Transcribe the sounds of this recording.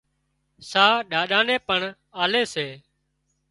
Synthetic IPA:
saːɗaːɗaːnẽːpəɳ | aːleːseː

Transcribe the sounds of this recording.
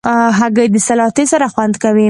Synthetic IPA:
ɦaɡajd̪əsalɑt̪esaɾaxwand̪kawi

